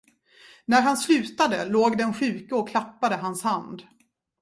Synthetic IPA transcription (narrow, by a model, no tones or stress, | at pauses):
næɾɦanslʉ̟ːt̪ad̪ə̰loːɡd̪ɛnɧʉ̟ːkaɔkʰlapːad̪əɦanshand̪